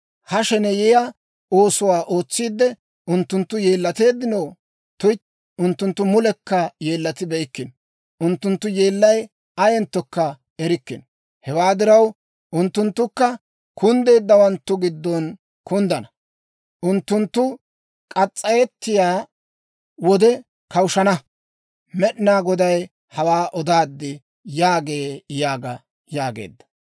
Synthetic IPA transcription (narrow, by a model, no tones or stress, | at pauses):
hɐʃɛnɛjɛja | oːsʊwaːʔo̞ːt͡sːiːd̪ːɛ | ʊnt̪ːʊnt̪ːʊje̞ːlːɐt̪e̞ːd̪ːɪnɐw | t̪ʊj | ʊnt̪ːʊnt̪ːʊmʊlɛkːɐje̞ːlːɐt̪ɪbɛɪkːɪn | ʔʊnt̪ːʊnt̪ːʊje̞ːlːɐj | ɐjɛnt̪ːɔkːɐ | ɛɾɪkːɪn | hɛwaːd̪ɪɾɐw | ʔʊnt̪ːʊnt̪ːʊkːɐ | kʊnd̪e̞ːd̪ːɐwɐnt̪ːʊɡɪd̪ːɔn | kʊnd̪ɐnɐ | ʔʊnt̪ːʊnt̪ːʊ | kʼɐt͡sʼːɐjɛt̪ːɪjaː | wɔd̪ɛ | kɐwʃɐnɐ | mɛɗɪnaːɡɔd̪ɐj | hɐwaːʔɔd̪aːd̪ːɪ | jaːɡeːjaːɡɐ | jaːɡḛːd̪ːɐ̥